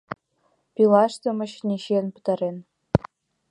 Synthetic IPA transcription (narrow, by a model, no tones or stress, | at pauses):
pʲilˠɑʂt̪ɤ̆mɤ̆ɕnʲeɕenpɤ̥̆t̪ɑɾen